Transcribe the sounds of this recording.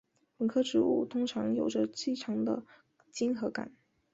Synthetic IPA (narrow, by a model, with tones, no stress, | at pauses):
wə˨˩nkʰɤ˥ʈ͡ʂɻ̩˧˥ṵ˥˩t̪ʰʊ˥ŋʈ͡ʂʰɑ˧˥ŋjo˨˩ʊʈ͡ʂə˧t͡ɕi˥˩ʈ͡ʂʰɑ˧˥ŋd̪ə̰˧ | t͡ɕi˥nxɤ˧˥ka̰˨˩˦n